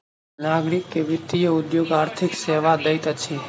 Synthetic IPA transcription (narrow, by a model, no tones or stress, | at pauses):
naːɡɾɪkːeʋɪt̪ijəʊd̪joːɡaːɾt̪ʰɪkseːʋaːd̪əjt̪ət͡ʃʰiː